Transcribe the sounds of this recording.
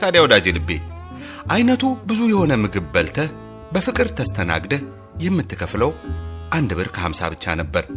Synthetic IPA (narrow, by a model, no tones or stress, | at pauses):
t̪ʰad̪jawd̪ad͡ʒelɨbːḛ | ʔajnət̪ʰubɨzujɛho̞nəmːɨɡɨbːəlt̪ʰə | bəfɨkʼɨɾt̪ʰəst̪ʰəna̰ɡd̪ə | jɛmːɨt̪ʰːɨkʰəfləwʔand̪bɨɾkʰəhamsa̰βɨt͡ʃːa̰nəbːəɾ